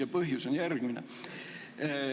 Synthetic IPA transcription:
ɑpɤhjusonjærkinæ̰

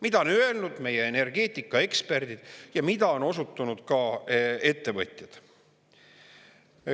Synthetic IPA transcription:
mid̪̥ɑonøe̞lnud̪̥me̞jeene̞rɡ̥e̞ːt̪ːˑikːˑɑe̞kspe̞rd̪̥id̪̥jɑmid̪̥ɑo̞no̞sut̪ːˑunud̪̥kɑe̞t̪ːe̞vɤ̰t̪ʲˑjɑd̪̥

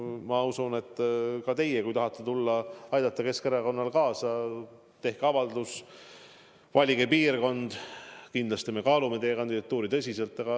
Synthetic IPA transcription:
mɑusune̞t̪ːkɑt̪e̞jekujt̪ɑɦɑt̪ːˑet̪ulːɑɑjd̪̥ɑt̪ˑːɑke̞skeɾɑko̞nːɑlkɑːsɑ | t̪e̞hkeɑvɑld̪us | vɑlʲiɡepiːrko̞nd̪̥kind̪lɑst̪ime̞kɑːlume̞t̪e̞jekɑnʲd̪id̪ɑt̪ːˑuːɾit̪ɤsʲise̞lt̪ːˑɑɡ̥ɑ

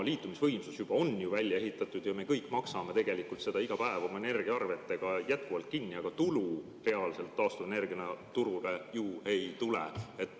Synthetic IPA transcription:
liːt̪ːˑumisvɤjmsusjub̥ɑo̞njuvælʲjɑe̞ɦit̪ːˑɑt̪ːˑud̪̥jɑme̞kɤjkːˑmɑksɑme̞t̪e̞ɡ̥e̞likult̪se̞d̪ɑiɡ̥ɑpæe̞vɑmɑene̞rɡ̥iɑɑrve̞t̪ˑːe̞ɡ̥ɑjæt̪̚kuvɑlt̪̚kinːiɑɡ̥ɑt̪ulu | re̞ɑlse̞lt̪ːɑːst̪uve̞ne̞rɡiɑnɑt̪uɾulejuːe̞jt̪ulḛe̞t̪ːˑ

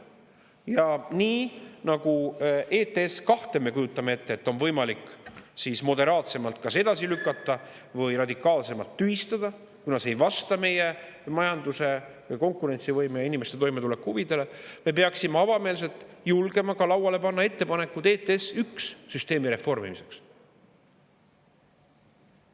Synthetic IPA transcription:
jɑniːnɑɡ̥uʔeːt̪eeskɑht̪e̞me̞kujut̪ːˑɑmee̞t̪ːeet̪ːo̞nvɤ̞jmɑlikːsiːsmo̞d̪e̞ɾɑːt̪se̞mɑlt̪̚kɑse̞d̪ɑsilykːˑɑt̪ːɑ | vɤjɾɑd̪ikːˑɑːlse̞mɑlt̪ːyhist̪ɑd̪̥ɑ | kunɑse̞jvɑst̪ɑme̞je | mɑjɑnd̪use̞vjko̞ŋkˑuɾe̞nt̪sivɤjmejɑinimest̪e̞t̪o̞jme̞t̪ule̞kːhuvid̪e̞le̞me̞peɑksimeɑvɑme̞ːls̬e̞lt̪ˑjulɡ̥e̞mɑkɑlɑwɑle̞pɑnːɑe̞t̪ːe̞pɑne̞kːud̪̥e̞ːt̪ːeesyksːyst̪e̞ːmiɾe̞fːo̞rmḭmise̞ks

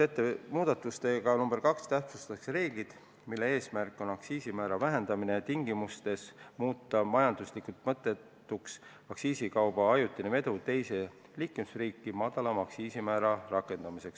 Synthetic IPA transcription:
et̪ːˑemuːd̪̥ɑt̪ːˑust̪e̞ɡ̥ɑnumb̥eɾkɑkst̪æht̪sust̪ɑkseɾe̞ːɡ̥lid̪̥ | milːe̞e̞ːsmærkːˑo̞nɑksiːsimæːɾɑvæɦe̞nd̪̥ɑmine̞t̪iŋɡimust̪e̞smuːt̪ːˑɑmɑjɑnd̪̥uslikult̪̚mɤt̪ːˑe̞tt̪ːuks | ɑksiːsikɑwb̥ɑɑjut̪ˑːineme̞d̪ut̪e̞jse̞ | liːkːˑumisriːkːˑimɑd̪̥ɑlɑmɑksiːsimæːɾɑrɑkːˑe̞nd̪ɑmise̞ks

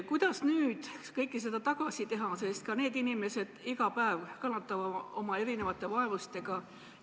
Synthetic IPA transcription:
kujd̪̥ɑsnyːd̪̥kɤjkːˑis̬e̞d̪̥ɑt̪ɑɡ̥ɑsit̪e̞ɦɑse̞st̪̚kɑne̞ːd̪inime̞se̞d̪̥iɡɑpæevkɑnːɑt̪ːˑɑvɑomɑe̞ɾine̞vɑt̪ːˑe̞vɑe̞vust̪e̞ɡ̥ɑ

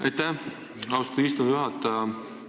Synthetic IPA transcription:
ɑ̰jt̪ːæ | ɑwst̪iːst̪omjuɦɑt̪ːˑɑjɑ

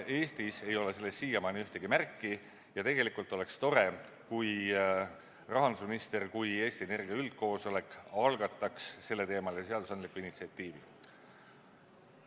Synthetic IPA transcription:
e̞ːst̪ise̞jo̞lese̞lːesːiːjɑmɑniyht̪e̞ɡ̥imærkːi | jɑt̪e̞ɡ̥e̞likult̪ːˑo̞le̞kst̪o̞ɾe̞ | kuj | rɑɦɑnd̪u̥sminist̪e̞rkuje̞ːsʲt̪ie̞ne̞rɡ̥iɑyld̪̥̚ko̞ːso̞le̞kːˑɑlɡɑt̪ːˑɑksːe̞lːe̞t̪e̞ːmɑlese̞ɑd̪usɑnd̪likːˑuinit̪siɑt̪ˑːiːvḭ

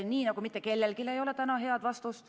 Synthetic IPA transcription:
niːnɑɡumit̪ːˑeke̞lːelkile̞jo̞let̪ænɑɦe̞ɑd̪vɑst̪ust̪

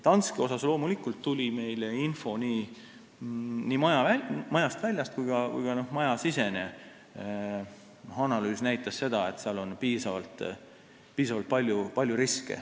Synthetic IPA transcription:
t̪ɑnskeo̞sɑslo̞ːmulikːˑult̪ːulʲime̞jleinfo̞niː | nimɑjɑvæmɑjɑst̪vælʲjɑst̪̚kujɡ̥ɑkṵjɡ̥ɑno̞hmɑjɑsise̞ne̞ | nohɑnɑlyːsnæjt̪ːˑɑsse̞d̪̥ɑe̞t̪seɑlo̞npiːsɑvɑlt̪ˑ | piːsɑvɑlt̪̚pɑlʲjupɑlʲjuɾiskḛ

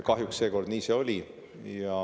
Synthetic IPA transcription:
kɑɦjuksse̞ːko̞rd̪niːse̞o̞lʲi | jɑ

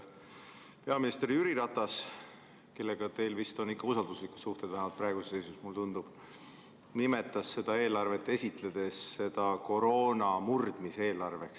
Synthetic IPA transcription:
pe̞ɑminist̪eɾiyɾiɾɑt̪ːˑɑs | ke̞lːe̞ɡ̥ɑt̪e̞jlvist̪o̞nikːɑusɑld̪usliku̥suht̪e̞d̪væɦemɑlt̪prɑeɡ̥usese̞jsusmult̪und̪̥ub̥ | nime̞t̪ːˑɑsːe̞d̪̥ɑe̞ːlɑrve̞t̪ːe̞sʲit̪ˑle̞d̪̥e̞sːe̞d̪̥ɑko̞ɾo̞ːnɑmurd̪̥mise̞ːlɑrve̞ks

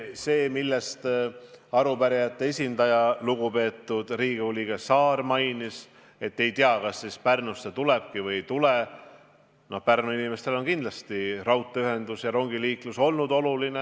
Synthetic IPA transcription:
se̞ːmilːest̪ | ɑɾupæɾijɑt̪ːe̞esʲind̪ɑjɑluɡ̥upe̞ːt̪ːˑud̪̥riːɡ̥eulʲiɡ̥esɑːrmɑjnis | e̞t̪ːe̞jt̪iɑkɑsːispærnusːet̪ule̞b̥kivɯjt̪ule | no̞hpærnuinime̞st̪e̞lo̞nkind̪lɑst̪irɑwt̪ːˑeyɦe̞nd̪̥usjɑɾo̞ŋɡiliːkluso̞lnud̪o̞luline

